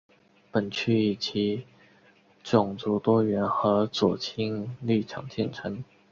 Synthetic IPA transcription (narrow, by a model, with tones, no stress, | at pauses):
pə˨˩nt͡ɕʰy˥˩i˨˩t͡ɕʰi˧˥ | ʈ͡ʂʊ˨˩ŋt͡su˧˥t̪wɔ˥ɥɛ˧˥nxɤ˧˥t͡swɔ˨˩t͡ɕʰi˥ŋli˥˩ʈ͡ʂʰɑ˨˩ŋt͡ɕʰjɛ˥˩nʈ͡ʂʰɤ˧˥ŋ